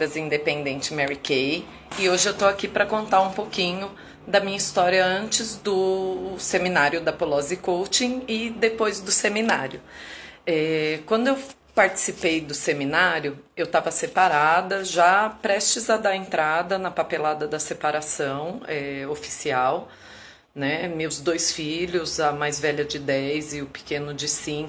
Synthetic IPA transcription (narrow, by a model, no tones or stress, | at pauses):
ɐzĩnd̪epẽnd̪ẽnt͡ʃɪ̥mɛɾikej | ɪoʒɪewt̪oakipɾɐkõnt̪aɾũpokĩɲʊ | d̪ɐmĩɲɐist̪ɔɾjɐɐ̃nt͡ʃɪzd̪ʊseminaɾjʊd̪ɐpolɔzɪkowt͡ʃĩɪd̪epojzd̪ʊseminaɾjʊ | ɛkwɐ̃nd̪ʊew | paɾt͡ʃi̥sipejd̪ʊseminaɾjʊewt̪avɐsepaɾad̪ɐʒapɾɛst͡ʃɪzɐd̪aẽnt̪ɾad̪ɐnɐpapelad̪ɐd̪ɐsepaɾasɐ̃w̃ɛofi̥siaw | nɛmewzd̪ojsfiʎʊzɐmajzvɛʎɐd͡ʒɪd̪ɛjzɪʊpɪ̥kẽnʊd͡ʒɪsĩ